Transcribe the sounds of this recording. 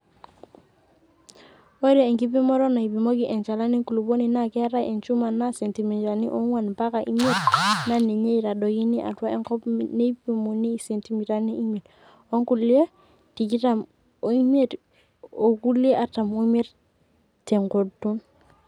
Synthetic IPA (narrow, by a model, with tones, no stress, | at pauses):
o˦ɾeː˨ŋki˦p̬i˦mɔ˦ɾɔ˦na˨i˨pi˨mo˦ɡi˨ʔɛ˨nt͡ʃa˨la˦ni˦ku˨lu˨bo˦ni˨na˦kɛ˦ɾa˦e˨nt͡ʃu˦ma˨nːa˦se˨nti˨mi˨ta˨ni˦ʔo˦ŋwa˨npa˦ka˨ʔḭ˦me˦tna˦ne˨ɲe˦i˨ɾa˨ɗɔ˨ki˦ni˦ʔa̰˨twa˦ɛ˦ŋkɔ˦pne˦pi˨mu˨ni˦˨se˨nti˨mi˨ta˦˨ni˦ʔi˦me˨t | o˦ŋku˦˨li˦e˦ | ti˨ki˦ta˦m | o˨i˦me˦˨t | o˨ku˦li˦e˦ʔa˦ta˨mo˦me˦ɾ | tɛ˨ŋko˨tu˦n